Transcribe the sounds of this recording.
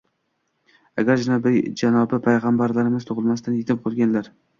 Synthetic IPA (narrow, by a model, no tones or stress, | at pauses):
aɡʲaɾd͡ʒɪnabɪd͡ʒanɒbɪpʰajʁɑmbaɾlaɾɪmɪzt̪ʰʊʁɨlˠmast̪anjet̪ʰɪp̚qʰolˠɡʲanlaɾ